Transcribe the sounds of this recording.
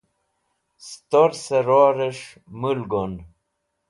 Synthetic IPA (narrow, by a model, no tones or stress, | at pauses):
st̪oɾseɾoːɾeʂ | mulɡon